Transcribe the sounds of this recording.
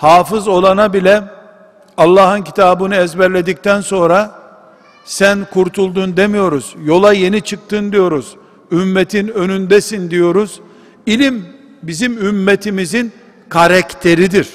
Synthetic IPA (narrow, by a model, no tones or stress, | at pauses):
haːfɯzo̞lˠanabilʲɛ | ɑlˠːaːɦɯncʰit̪ʰaːbɯnɯɛzbɛɾlʲe̞d̪ic̚t̪ʰænso̞nɾa | sænkʰuɾt̪ʰulˠd̪und̪e̞mijo̞ɾuz̥jo̞lˠaje̞nit͡ʃʰɯk̚t̪ʰɯnd̪ijo̞ɾuz̥ | ymːet̪ʰinø̞nynd̪ɛsind̪ijo̞ɾuz̥ | ilʲim | bizimymːet̪ʰimizin | kʰaɾakt̪ʰe̞ɾid̪iɾ̥